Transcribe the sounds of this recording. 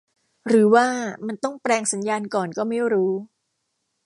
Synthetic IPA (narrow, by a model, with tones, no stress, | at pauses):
ɾɯː˩˦waː˥˩ma˧nt̪ɔ˥˩ŋpɾɛː˧ŋsa˩˦njaː˧nkɔː˨˩nkɔː˥˩ma˥˩jɾuː˦˥